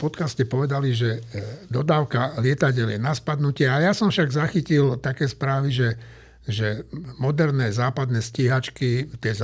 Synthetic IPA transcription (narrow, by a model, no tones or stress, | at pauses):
pɔt̪kascɛpɔʋɛd̪aliʒɛd̪ɔd̪aːʊkalɪɛt̪aɟɛljɛnaspad̪nucɪɛajasɔmfʃaɡzaxicilt̪akɛːspɾaːʋiʒɛ | ʒɛmɔd̪ɛɾnɛːzaːpad̪nɛːsciɦat͡ʃkit̪ɪɛz